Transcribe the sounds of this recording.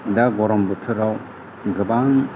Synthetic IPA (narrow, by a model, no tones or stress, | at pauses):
daɡɔɾɔmbɯtʰɯɾaw | ɡɯbaŋ